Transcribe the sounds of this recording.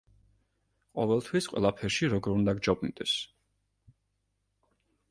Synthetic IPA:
qʼɔvɛlˠt̪ʰwisqʼwɛ̰lˠapʰɛɾʃiɾɔɡɔɾund̪aɡd͡ʒɔbnid̪ɛs

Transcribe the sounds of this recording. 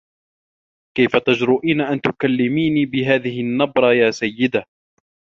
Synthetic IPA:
kajfat̪ad͡ʒɾʊːʔiːnaʔant̪ʊkalːɪmiːniːbɪɦaːðɪhɪnːɑbɾˤɑjaːsajːɪd̪a

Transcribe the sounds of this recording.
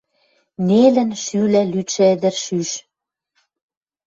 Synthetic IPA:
nelɘ̆nʃylælyʃed̪ɘ̆rʃyʃ

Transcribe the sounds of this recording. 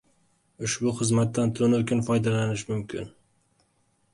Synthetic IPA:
ʊʃbʊχɨzmat̪ːant̪ʰʊʊnʊkʲʰɪnfɒjd̪alanɪʃmʊmkʲʰɪn

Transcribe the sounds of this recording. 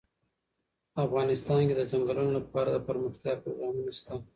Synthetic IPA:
afɣɑnɪst̪ɑnked̪əzaŋɡəlunolapɑɾad̪əpəɾməxt̪jɑpɾoɡɾɑːmunist̪a

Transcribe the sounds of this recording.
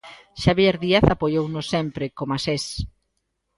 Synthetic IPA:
ʃaβjeɾðiaθapojownʊsɛmpɾɪkomases

